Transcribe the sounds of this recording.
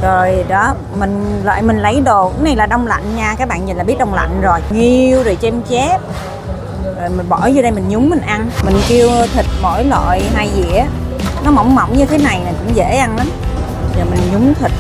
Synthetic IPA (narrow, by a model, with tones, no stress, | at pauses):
zo˨˩jɗɔ˨˦ | mï˨˩ŋ̟lə̰ː˧˨jmï˨˩ŋlə˨˦jɗo˧˨˩na˧˩jlaː˨˩ɗə˧wŋ͡mla̰˧˨jŋɲaː˧kaː˦˥k̚ɓa̰ː˧˨nɲi˨˩nlaː˨˩ɓi˦˥ət̚ɗə˧wŋ͡mla̰˧˨jŋ̟zo˨˩jŋi˧wzo˨˩jt͡ɕɛ˧mt͡ɕɛ˦˥p̚ | zo˨˩jmi˨˩ɓɔ˧˩jzɔ˧ɗə˧jmï˨˩ŋ̟ɲʊ˨˦mːï˨˩ŋ̟ʔa˧nmï˨˩ŋki˧əwt̪ʰï˨˩t̚mo̰˧˥˨jlwa̰ː˧˨jɦa˧jzḭ˧˨ənɔ˨˦mɔ˧˩wŋ͡mmə˧˩wŋ͡mɲɨ˧t̪ʰe˨˦na˨˩jna˨˩jkʊ̰˧˥ŋ͡mzḛ˧˥ʔa˧nla˨˦m | zo˨˩jmi˨˩ŋɲʊ˨˦ŋ͡mt̪ʰi˨˩k̚